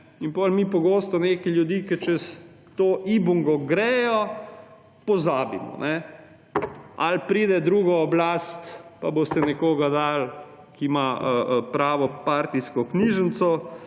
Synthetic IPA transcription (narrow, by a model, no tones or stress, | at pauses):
inpɔlmiːpɔɡoːst̪ɔneːkɛljud̪iːkɛt͡ʃɛs | t̪oʔiːbuŋɡɔɡɾɛːjɔ | pɔzaːbḭmɔ̰nɛ | a̰lpɾiːd̪ɛd̪ɾuːɡɔːblaːst̪paboːst̪ɛnɛkoːɡad̪al | kimaəpɾaːʋɔpaɾt̪iskɔkniːʒənt̪sɔ